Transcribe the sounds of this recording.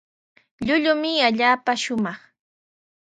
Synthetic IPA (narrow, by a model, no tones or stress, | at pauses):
ʎʊʎʊmɪaʎaːpaʃʊmɑχ